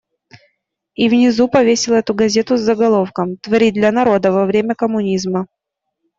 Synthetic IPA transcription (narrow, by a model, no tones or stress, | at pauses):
ivnʲɪzupɐvʲesʲɪlˠɛt̪ʊɡɐzʲe̞t̪ʊzːəɡɐlˠo̞fkəmt̪vɐɾʲid̪lʲɐnɐɾo̞d̪əvɐvɾʲemʲəkəmʊnʲizmə